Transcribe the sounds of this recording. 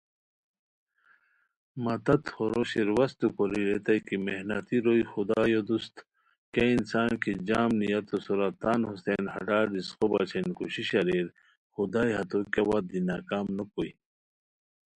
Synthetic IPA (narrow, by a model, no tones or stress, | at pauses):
mɐt̪ɐt̪hoɾoɕiɾwɐst̪ukoliɾet̪ɐjkimehnɐt̪iɾojxud̪aːjod̪ust̪ | keinsaːnkid͡ʑaːmnijɐt̪osuɾat̪aːnhusenhɐ̰ɖaːɖisqoba̰t͡ɕʰenkuɕiɕɐɾiɾ | xud̪aːjɦɐt̪okawad̪̚inaːkaːmnɐkoj